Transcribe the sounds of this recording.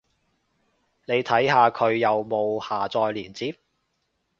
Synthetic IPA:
ne˨˧jt̪ʰɐ˨˥jɦaː˨˧kʰɵ˨˧ɥjɐ˨wmo˨˧whaː˨˩t͡sɔː˨˧jliː˨˩nt͡siː˥p̚

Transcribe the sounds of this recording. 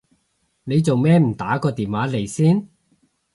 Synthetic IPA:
ne˨˧jt͡so˨wmɛː˥m̩˨˩t̪aː˨˥kɔː˧t̪iː˨nwaː˨˥le˨˩jsiː˥n

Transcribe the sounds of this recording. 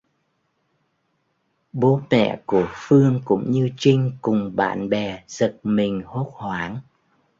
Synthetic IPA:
ɓo˨˦mɛ̰˧˨ku˧˩əfɨ˧əŋkʊ̰˧˥ŋ͡mɲɨ˧t͡ɕï˧ŋ̟kʊ˨˩ŋ͡mɓa̰ː˧˨nɓɛ˨˩z̥ə˨˩k̚mï˨˩ŋ̟ho˦˥t̚hwaː˨˦n

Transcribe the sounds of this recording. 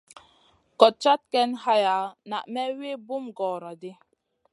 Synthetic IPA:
kɔ˨t̚t͡ʃa˦t̚kɛ˦nha˦ja˨˦na̰˨ʔmɛ˦we˦bu˦mɡɔː˨ɾa˨de˦

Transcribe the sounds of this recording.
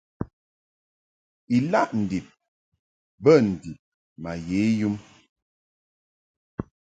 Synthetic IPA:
i˨la˦˨ʔn̩˨di˨p̚ | bə˦˨n̩˨di˨p̚ | ma˨je˨˦ju˦m

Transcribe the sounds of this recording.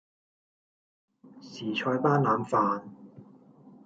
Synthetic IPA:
siː˨˩t͡ʃʰɔː˧jpaː˥nlaː˨˧mfaː˧n

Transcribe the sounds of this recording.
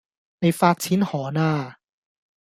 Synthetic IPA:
ne˨˧jfaː˧k̚t͡sʰiː˨˥nhɔː˨˩˦naː˧

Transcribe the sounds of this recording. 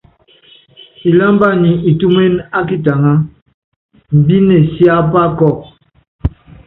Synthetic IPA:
i˨la˦mba˦˨ni˨i˨tu˦me˦na˦k̬i˦ta˨ŋa˦ | m̩˨bi˦ne˨sja˦pa˦kɔ˦˨

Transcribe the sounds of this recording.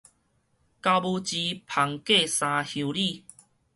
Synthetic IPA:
ka˧wbu˧t͡ɕi˧pʰa˨˦ŋke˥˧sã˧hjũ˧li˥˧˨

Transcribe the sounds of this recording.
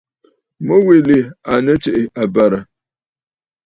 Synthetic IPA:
mo˦we˨le˨a˨nə˦t͡ʃe˨ʔe˨ʔa˨ba˨ɾa˨

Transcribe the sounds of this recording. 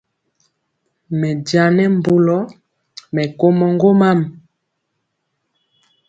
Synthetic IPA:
mɛ˨dja˨nɛ˦m˦bo˨lɔ˦ | mɛ˨ko˦mɔ˨ŋɡo˦ma˦m˨

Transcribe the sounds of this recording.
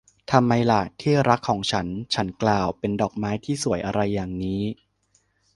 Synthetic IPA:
t̪ʰa˧mːa˧jla˨˩t̪ʰiː˥˩ɾa˦˥kʰːɔː˩˦ŋt͡ɕʰa˦˥nt͡ɕʰa˦˥nklaː˨˩wpe˧ndɔː˨˩k̚maː˦˥jt̪ʰiː˥˩su˨˩˦əjʔa˧ɾa˧jːaː˨˩ŋniː˦˥

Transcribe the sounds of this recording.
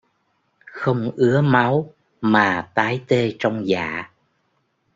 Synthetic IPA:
xə˧wŋ͡mʔɨ˨˦əma˨˦w | maː˨˩t̪aː˨˦jt̪e˧t͡ɕɔ˧wŋ͡mza̰ː˧˩˨

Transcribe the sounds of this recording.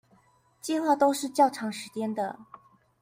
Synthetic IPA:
t͡ɕi˥˧xwa˥˧t̪o˥ʊʂɻ̩˥˧t͡ɕjɑ˥˩ʊʈ͡ʂʰɑ˧˥ŋʂɻ̩˧˥t͡ɕjɛ˥nd̪ə˨

